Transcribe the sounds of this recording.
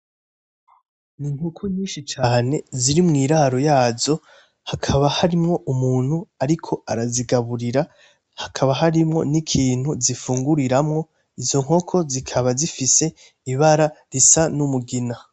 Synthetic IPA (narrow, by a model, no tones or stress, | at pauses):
niŋ̥ukʰuɲiːʃit͡ʃaːne̞ziɾimŋiːɾaɾo̞jaːzo̞ | hakʰaβahaɾimŋo̞ʔumuːn̥huaɾikʰo̞aɾaziɡaβuɾiɾa | hakʰaβaɦaɾimŋo̞̰nikʰiːn̥huzifuːŋɡuɾiɾamŋo̞ | izo̞ŋ̥ho̞kʰo̞zikʰaβazifise̞ | iβaɾaɾisanumuɡina